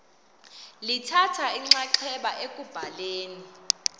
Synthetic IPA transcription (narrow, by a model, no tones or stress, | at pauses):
litʰatʰaiŋ͡ǀaǃʰɛɓaʔekʼub̥ʱaleːni